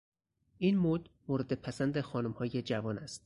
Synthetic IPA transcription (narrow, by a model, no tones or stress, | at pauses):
ʔinmoːd̪moːɾed̪epʰæsænd̪exɒːnumhɒːje̞d͡ʒævɒːnæst̪